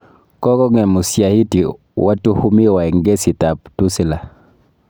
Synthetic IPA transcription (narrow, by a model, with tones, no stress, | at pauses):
kɔ˦kɔ˦ŋɛ˨mu˨sja˨hi˦ti˨ | wa˦tu˦hu˦mi˦˨wa˨ɛ˨ŋɡe˦si˨ta˨ptu˦si˦la˨